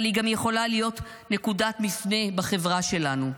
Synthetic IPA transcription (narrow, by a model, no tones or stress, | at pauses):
liɡamjeχo̞lalijo̞t | ne̞kudatmifne̞baχe̞vʁaʃe̞lanu